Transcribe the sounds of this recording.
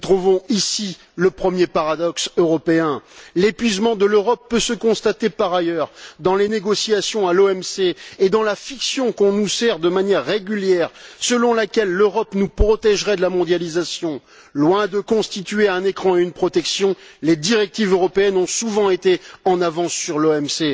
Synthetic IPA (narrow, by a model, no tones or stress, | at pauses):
t̪χuvɔ̃isi | ləpχəmjepaʁad̪ɔksøʁɔpeɛ̃lepɥizmɑ̃d̪əløʁɔpːøsəkɔ̃st̪at̪epaʁajœʁd̪ɑ̃leneɡɔsiasjɔ̃aloɛmseːd̪ɑ̃lafiksjɔ̃kɔ̃nusɛʁd̪əmanjɛʁːeɡʲyljɛʁsəlɔ̃lakʲɛlːøʁɔpnupχɔt̪ɛʒʁɛd̪əlamɔ̃d̪jalizasjɔ̃ | lwɛ̃d̪əkɔ̃st̪it̪ɥeɛ̃nekχɑ̃eynpχɔt̪ɛksjɔ̃led̪iʁɛk̚t̪ivøʁɔpeɛnɔ̃suvɑ̃et̪eɑ̃navɑ̃sːyʁloɛmse